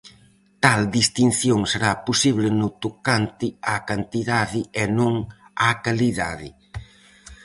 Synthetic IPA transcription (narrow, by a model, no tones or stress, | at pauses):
t̪ald̪ist̪in̟θjoŋseɾaposiβlɪnʊt̪okant̪ɪakant̪iðaðɪenõŋakaliðaðɪ̰